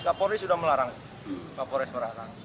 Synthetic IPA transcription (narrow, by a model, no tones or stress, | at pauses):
kapoɾisudahməlaɾaŋ | kapɔɾɪsməlaɾaŋ